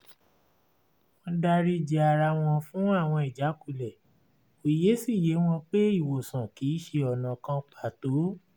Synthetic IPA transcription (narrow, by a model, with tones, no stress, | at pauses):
w̃ɔ̃˧da˧ɾi˧d͡ʒi˨˧a˧ɾa˧w̃ɔ̃˧fũ˦a˦˨w̃ɔ̃˧i˨d͡ʒa˨˦ku˦˨lɛ˨ | o˨je˨˦si˦˨je˨˦w̃ɔ̃˧k͡pe˦i˦˨wo˨sã˨ki˨˦ʃe˧ɔ˨nã˨kã˧k͡pa˨to˨˦